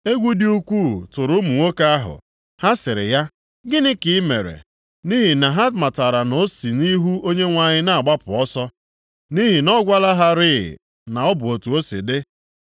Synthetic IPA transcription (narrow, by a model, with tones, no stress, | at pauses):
e˦ɡʷu˦di˦u˦kʷu˦˨tʊ˨ɾʊ˦mu˨ŋo˦ka˦a˦ɦʊ̰˨ | ha˦sɪ˨ɾɪ̰˨ja˦ | ɡɪ˦nɪ˦kɪ˨˦me˨ɾḛ˨ | ni˦ɦi˨na˨ɦa˦ma˨ta˨ɾa˨no˦si˨ni˦ɦu˦o˦ɲe˦ŋʷa˨ɲɪ˦na˨a˨ɡ͡ba˦pʊ˨ɔ˦sɔ˦ | ni˦ɦi˨nɔ˦ɡʷa˦la˦ɦa˦ɾɪ˦ɪ̰˨ | na˨ɔ˦bʊ˨o˨tu˨o˦sḭ˨dɪ˦